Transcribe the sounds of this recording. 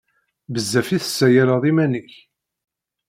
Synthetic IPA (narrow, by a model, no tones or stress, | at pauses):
bəzːæfiθə̥sːæjæləðˤimæniç